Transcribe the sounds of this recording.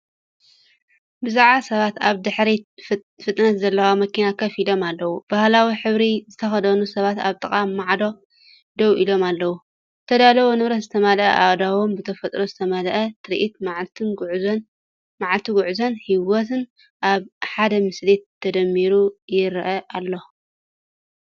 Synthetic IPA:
bɨzaʕasɐβat̪aβd̪ɨħɾi | fɨt̪ʼnɐt̪zɐlːɐwamɐkʰinakʰɐfilo̞malːɐwub̥ahlawiħɨβɾizɨt̪ʰɐxɐd̪ɐnusɐβat̪a̰βt̪ʼɨkʼamːaʕd̪o | d̪ɐwʔilo̞malːɐwu | zɨt̪ʰɐd̪alɐβonɨβɾɐt̪zɨt̪ʰɐmalʔɐ̰ʔaβd̪awombɨt̪ʰɐfɐt̪ʼɾo̞zɨt̪ʰɐmɐlʔɐt̪ʰɨɾʔit̪mʕt̪ʰɨnʕz | maʕalt̪ʰiɡuʕuzɐnhiwot̪ʰɨn | ʔaβħad̪ɐmɨslit̪ʰːɐd̪ɐmːiɾujɪɾʔɐʔalːo

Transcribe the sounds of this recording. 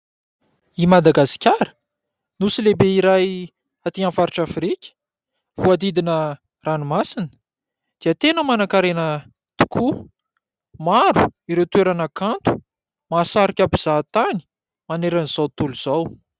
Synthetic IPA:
imad̪aɡasi̥kʲaɾə̥ | nusilebeiɾaj | at̪iãfaɾiʈ͡ʂafɾikʲə̥ | v̥uad̪id̪inə | ranumasinə̥ | d̪̥iət̪enəmanakaɾenə | t̪u̥kʰu | maɾuiɾewt̪ueɾanəkant̪u̥ | masaɾikʲabiz̥at̪ani̥ | maneɾaniz̥awt̪uluz̥aw

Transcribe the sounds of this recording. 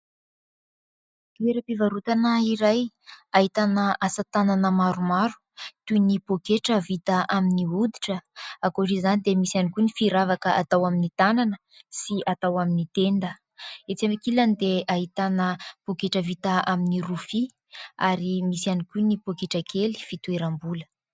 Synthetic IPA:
keɾəpivaɾut̪anəiɾaj | aɦit̪anəʔasət̪ananəmaɾumaɾu̥ | t̪unipokeʈ͡ʂəvit̪əʔaminiud̪iʈ͡ʂəakoʈ͡ʂizanid̪emisianikʲunifiɾavakəʔat̪awaminit̪ananə | siat̪awaminit̪end̪ə | et͡samikilanid̪eaɦit̪anəpokeʈ͡ʂəvit̪əaminiɾufi | aɾimisianikʲunipokeʈ͡ʂakʰeli̥fit̪ueɾambulə

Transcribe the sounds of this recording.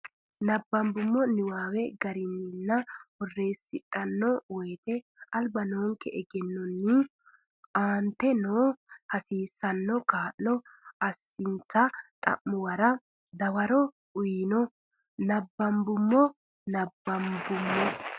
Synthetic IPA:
nɐbːɐmbʊmːɔnɪwaːwɛɡɐɾɪnːɪnːɐhɔrːeːsːɪᶑʼɐnːɔwɔjt̪ɛ | ɐlbɐnoːŋkɛʔɛɡɛnːɔnːɪ | ʔaːnt̪ɛnoːhɐsiːsɐnːɔkaːʔnɔ | ɐsːɪnsɐt̪ʼɐ̰ʔːʊwɐɾɐ | d̪ɐwɐɾɔ | ʊjinɔ | nɐbːɐmbʊmːɔ | nɐbːɐmbʊmːɔ

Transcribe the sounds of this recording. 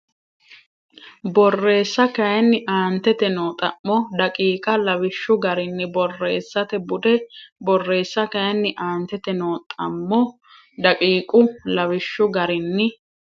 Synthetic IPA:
bɔrːe̞ːsːɐkɐjɐnːɪʔaːnt̪ɛt̪ɛnoːt̪ʼːɐmːɔd̪ɐkʼiːkʼɐlɐwɪʃːʊɡɐɾɪnːɪbɔrːḛːsːɐt̪ɛbʊd̪ɛbɔrːe̞ːsːɐkɐjɐnːɪʔaːnt̪ːɛt̪ɛnoːt̪ʼːɐmːɔ | d̪ɐkʼiːkʼʊlɐwɪʃːʊɡɐɾɪnːɪ

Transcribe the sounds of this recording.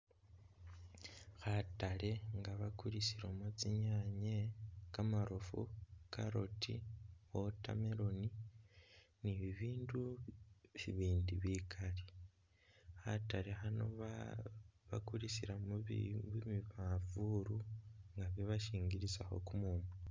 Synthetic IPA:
xatale̞ŋɡaβakuɾisiɾomut͡siɲaɲekamaɾofṵkʰaɾotḭwota̰meɾo̞ni | niβiβiːndu | βiβiːndiβikʰale | xatalexanoβa | βa̰kuɾisiɾamβimiβavuɾuŋɡaβjeβaʃiːŋɡiɾisaxo̞̰kumuːmu

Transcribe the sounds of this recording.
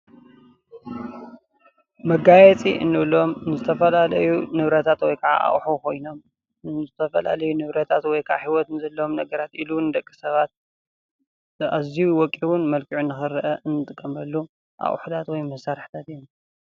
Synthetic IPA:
mɐɡajɛt͡sʼiɨ̰nːɨβlo̞mnɨzɨt̪ʰɐfɐlalɐjunɨβɾɐt̪ʰat̪wɔjkʰɐʕa̰ʔa̰ʔħukʰo̞jno̞m | nɨzɨt̪ʰɐfɐla̰lɐjunɨβɾɐt̪ʰat̪wɔjkʰɐʕaħiwɔt̪nɨzɐlːɐomnɐɡɐɾat̪ilund̪ɐkʼːi̥sɐβat̪̚ | aziuwɔkʼiwʊnmɐlkʰiʕunːɨxɨɾɐʔɐʔɨnːɨt̪ʼɨkʼːɐmɐlːu | ʔa̰ʔħut̪ʰat̪wɔjmɐsaɾħt̪ʰat̪iu

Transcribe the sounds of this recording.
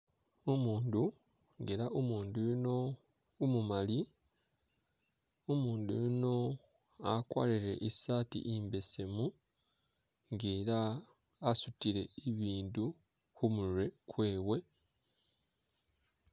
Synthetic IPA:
omuːndu | ŋɡe̞ɾaʔomuːndujuno | umumali | omuːndṵjuno̞ | akwa̰ːliɾe̞̰ʔisatḭʔimbe̞se̞mu | ŋɡeːɾaː | sutiɾe̞iβiːndu | humuɾwe̞kwe̞ːβwe̞

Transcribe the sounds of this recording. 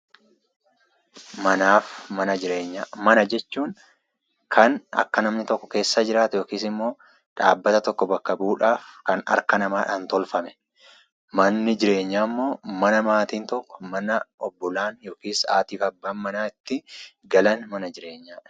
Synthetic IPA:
mɐnaːfmɐnɐd͡ʒɪɾeːɲːamɐnɐd͡ʒɛt͡ʃːuːŋ | kʰɐnɐ̰kːɐnɐmnɪt̪ɔkːɔ̥ke̞ːsːaːd͡ʒɪɾaːt̪ɛjo̞ːkiːsɪmːo̞ː | ᶑa̰ːbːɐt̪ɐt̪ɔkːɔbɐkːɐbuːᶑaːfkɐnɐ̰ɾkɐnɐmaːᶑaːnt̪ɔlfɐmɛ̥ | mɐnːɪd͡ʒɪɾe̞ːɲːaːmːo̞ːmɐnɐmaːt̪iːnt̪ɔkːɔ̥mɐnɐɔbːɔlaːnjo̞ːkiːsa̰ːt̪iːfɐbːaːnmɐnaːɪt̪ːɪ | ɡɐlɐnmɐnɐd͡ʒɪɾe̞ːɲːaːᶑɐ̥

